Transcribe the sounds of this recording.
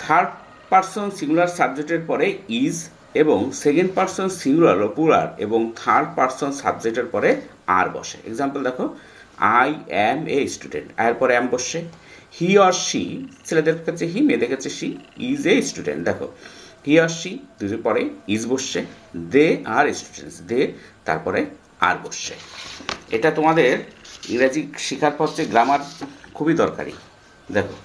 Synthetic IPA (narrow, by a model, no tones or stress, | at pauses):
t̪ʰaɾɖ | paɾsonsiŋɡulaɾsab̚d͡ʑek̚ʈeɾpɔɾeiz | eboŋsekeɳɖ̚paɾsonsiŋulaɾlopuɾa̰ɾḛboŋt̪ʰaɾɖ̚paɾsonsa̰bd͡ʑek̚ʈeɾpɔɾe | a̰ɾbɔ̰ʃḛḛɡzampeld̪ɛkʰo | ajɛmesʈuɖḛɳʈɛ̰eɾpɔɾeɛmboʃe | hiaɾʃḭt͡ɕʰeled̪eɾkʰet͡ɕʰeɦimed̪ekʰet͡ɕʰeʃiizesʈuɖḛɳʈ̚d̪ɛkʰo̰hiɔɾʃid̪ud͡ʑonpɔɾeid͡ʑboʃed̪eaɾesʈuɖḛnsd̪et̪a̰ɾpɔɾe | a̰ɾboʃːḛ | eʈat̪omad̪eɾiɾad͡ʑikʃikʰaɾpʰɔtt͡ɕeɡɾamaɾkʰubid̪ɔɾka̰ɾḭ | d̪ɛkʰo̰